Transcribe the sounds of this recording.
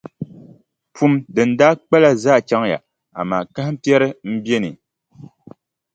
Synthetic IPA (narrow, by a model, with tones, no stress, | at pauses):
pu˨˦mdɨ˨n̩˦daː˦k͡pɛ˦la˦za˦˨t͡ʃa˦ŋja̰˨ | a̰˨ma˨ka˦hɪ˦m̩˦pjɛ˦ɾɨ˦m̩˦bɛ˦nɨ˨